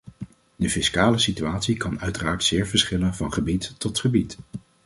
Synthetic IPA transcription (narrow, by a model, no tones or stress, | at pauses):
dəfɪskaːləsityaːtsikɑnœɥtəraːɹtsɪːɹvəɹsχɪlənvɑnχəbitːɔtχəbit